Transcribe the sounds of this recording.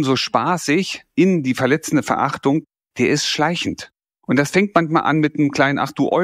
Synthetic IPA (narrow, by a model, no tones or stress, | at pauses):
mzoʃpaːsɪçʔɪndiːfɛɐlɛt͡sn̩dəfɛɐʔa̰χtʊŋ | d̥eːɐɪstʃlaɪçn̩t | ʔʊntd̥asfɛŋtmançmaːlʔa̰nmɪtnəmkl̥aɪnənʔa̰χd̥uːʔɔ